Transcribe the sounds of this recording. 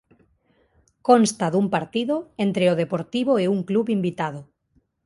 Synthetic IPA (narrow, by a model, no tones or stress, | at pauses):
konst̪aðumpaɾt̪iðoent̪ɾeoð̞epoɾt̪iβoeuŋkluβimbit̪að̞o